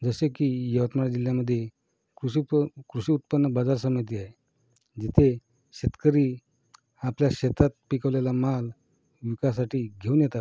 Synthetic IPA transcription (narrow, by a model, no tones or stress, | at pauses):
d͡zəsekiːjəʋət̪maɽad͡ʑiljaməd̪ʱːje | kɾukɾuɕiːut̪̚pənːəbad͡zaɾsəmit̪̬iae | d͡ʑit̪ʰe | ɕet̪kəɾiː | apljaɕet̪ʰat̪̚pikəʋlalamal | ʋikas̬aʈiːɡʱeunjɛt̪a